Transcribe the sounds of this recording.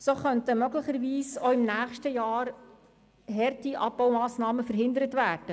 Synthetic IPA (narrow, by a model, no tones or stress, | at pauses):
soχœntəmœɡlɪχəɾʋiːsoɪmnæːχʃtəjɑːɾ | ɦɛrtiʔɑpːɔwmɑːsnɑːməfəɾɦɪnd̪əɾətvæːrd̥ə